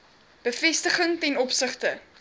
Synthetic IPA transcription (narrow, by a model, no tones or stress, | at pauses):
b̥əfɛstəχəŋtɛnɔpsəχtə